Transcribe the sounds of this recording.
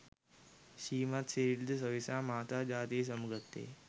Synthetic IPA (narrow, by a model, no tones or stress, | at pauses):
ɕiːmat̪seɾiɽd̪s̬əʋisamaːt̪ad͡ʑaːt̪iːs̬əmɡət̪ːḛ